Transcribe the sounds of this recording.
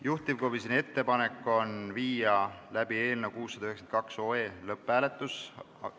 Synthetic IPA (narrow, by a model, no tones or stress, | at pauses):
juht̪ˑivkobisine̞t̪ːe̞pɑnekːˑo̞nviːjɑlæb̥ie̞ːlnewkuːsːɑd̪ɑyheksenkɑkso̞ːeːlɤpːæːle̞t̪ːˑus